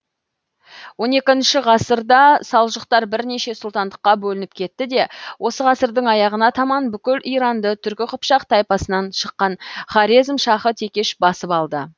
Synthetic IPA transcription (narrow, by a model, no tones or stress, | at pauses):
wo̞ne̞kʲɪnʃɪʁɑsəɾd̪ɑsɑlˠʒəqt̪ɑɾbɪɾne̞ʃe̞sʊlˠt̪ɑnd̪əqːɑbɵlɪnɪp̚kʲʰe̞t̪ːɪd̪e̞wʔo̞səʁɑsəɾd̪əɴɑjɑʁənɑt̪ʰɑmɑnbʏkʲɪlʔijɾɑnd̪ət̪ʰʏɾkʲɪqʰʊpʃɑqt̪ʰɑjpɑsənɑnʃəqːɑnχɑɾizmʃɑχət̪ʰe̞kʲe̞ʃbɑsəpɑlˠd̪ə